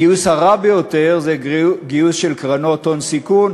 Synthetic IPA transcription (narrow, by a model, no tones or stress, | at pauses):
iushaʁabejot̪e̞ʁzeɡiusʃelkʁano̞t̪o̞nsikun